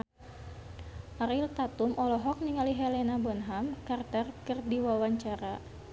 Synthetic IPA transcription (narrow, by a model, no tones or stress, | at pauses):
ʔaɾilt̪at̪umɔlɔɦɔk̚niŋaliɦɛlɛnabɔnɦamkart̪ərkərdiwawaɲt͡ʃaɾa